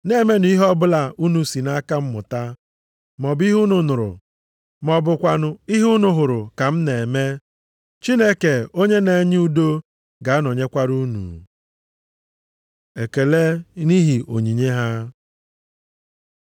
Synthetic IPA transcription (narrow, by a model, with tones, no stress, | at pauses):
ne˨˦˨me˦nʊ˨˦i˦ɦɔ˦bʊ˦la˨u˦nu˨si˨na˦ka˦m̩˦mʊ̰˨ta˦ | m˨ɔ˨bi˦ɦu˦nʊ˨nʊ˨ɾʊ̰˨ | mɔ˨bʊ˨kʷa˨nʊ˦i˦ɦu˦nʊ˦ɦʊ˨ɾʊ˨ka˨m̩˦ne˨me˦ | t͡ʃi˦ne˦ke˨o˦ɲe˦ne˨˦ɲɪ˦u˦do˦ | ɡa˨a˦no˨ɲe˦kʷa˦ɾu˦nṵ˨ | e˨ke˨le˦ni˦ɦi˨ʔo̰˨ɲi˨ɲe˦ɦa˦